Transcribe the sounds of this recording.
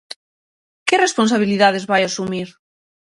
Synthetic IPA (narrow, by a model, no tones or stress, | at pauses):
kerespons̬aβ̞iliðaðezβajasumiɾ